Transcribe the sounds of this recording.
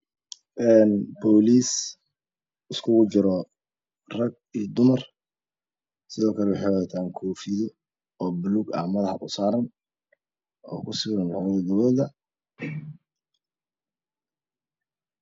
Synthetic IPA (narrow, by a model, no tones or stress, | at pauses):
ʔɛːnbɔːliːs | ɪskʰʊɣʊt͡ʃɪɾɔ | rɐɡ̚ijd̪ʊmɐr | sɪðɔːkʰɐlɛwɑħewɐðɐːt̪ʰaːŋkʰɔːfiðɔ | ɔːbʊluɡa̰ːmɐðɐhɐ̰ʔʊsaːɾɐn | ɔ̰ːkʰʊsɪɣβɐnlɑðɐɡɐwɔːðɐ